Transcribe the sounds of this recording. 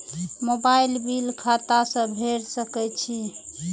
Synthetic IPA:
mobailbilkʰat̪asə̃bʱeɾsəkɛt͡ʃʰi

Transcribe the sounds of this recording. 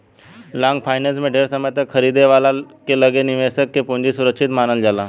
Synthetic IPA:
lãŋɡfajneld͡zmeɖʱeɾsəməjt̪əkʰəɾid̪eʋalakeləɡeniʋesəkːepõɲd͡ʑisuɾəkʂit̪manəld͡ʑala

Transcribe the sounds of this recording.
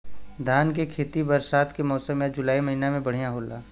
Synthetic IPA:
d̪ʱaːnkekʰeːt̪ibɐɾsaːt̪kemɔːsəmjad͡ʒʊlaːimɐɦinamẽbɐɽ̤ijãɦoːlaː

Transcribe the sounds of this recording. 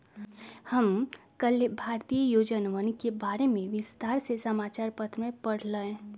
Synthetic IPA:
həm | kəlebʱaɾt̪ijəjod͡ʒənʋənkebaɾemẽʋɪst̪aːɾsesəmat͡ʃaɾpət̪ɾmẽpəɽ̤ləẽ

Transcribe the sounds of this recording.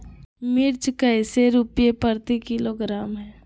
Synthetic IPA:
mɪɾt͡ʃkəɪseɾupjepəɾt̪ikɪloɡɾaːmɦɛ̃ː

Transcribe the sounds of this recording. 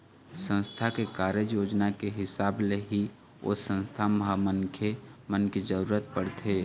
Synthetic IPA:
sə̃nst̪ʰakekaːɾjəd͡ʒjoːd͡ʒnakeɦɪsaːbleɦi | o̰sə̃nst̪ʰamɦamənkʰemənked͡ʒəɾuːɾət̪̚pəɽt̪ʰeː

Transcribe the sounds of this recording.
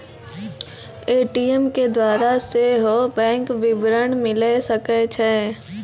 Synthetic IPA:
eːʈijəmked̪waːɾaseɦobɛ̃ːŋkʋɪbɾəɳmɪlesəket͡ʃʰɛː

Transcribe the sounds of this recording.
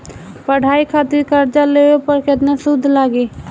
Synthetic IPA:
pəɽ̤ʱaːikʰaːt̪ɪɾkəɾd͡ʒaleːwepəɾket̪nasʊd̪ʱːlaːɡeː

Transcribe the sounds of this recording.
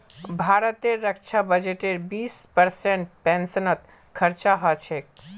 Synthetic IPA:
bʱaɾət̪eɾəkt͡ʃʰabəd͡ʒeʈeɾbiːspəɾsẽɳʈ̚pɛ̃nsənət̪ | kʰəɾt͡ʃaɦɔt͡ʃʰek

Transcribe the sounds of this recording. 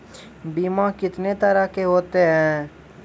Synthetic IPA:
biːmakɪt̪net̪əɾakeɦoːt̪eɦɛ̃ː

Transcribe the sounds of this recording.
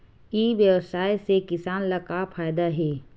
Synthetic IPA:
iʋjəwsaːisekɪsaːnlɐkapʰaːjd̪aɦɛː

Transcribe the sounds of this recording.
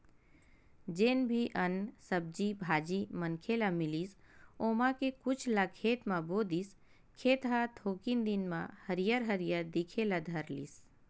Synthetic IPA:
d͡ʒeːnbʱiʔɐnsəb̚d͡ʒibʱaːd͡ʒimənkʰeːlamɪliːs | oːmãkekʊt͡ʃʰlakʰeːt̪mãboːd̪is | kʰeːt̪ɦat̪ʰoːkind̪inmã̰həɾijəɾɦəɾijəɾd̪ikʰeːlad̪ʱɐɾlḭːs

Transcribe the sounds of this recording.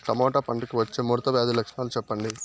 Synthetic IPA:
ʈɐmɔːʈaːpɐɳʈikiʋɐt͡ʃːeːmuːɾt̪ɐʋjaːd̪ilɐkʂɳaːlut͡ʃɛpːɐɳɖi

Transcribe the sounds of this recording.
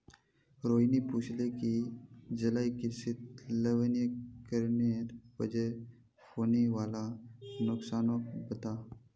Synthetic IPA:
ɾoːnipuːt͡ʃʰlekid͡ʒɐlaːikisɪt̪ləʋənijəkəɾneɾbəd͡ʒe | foniʋalanʊksaːnokbət̪a

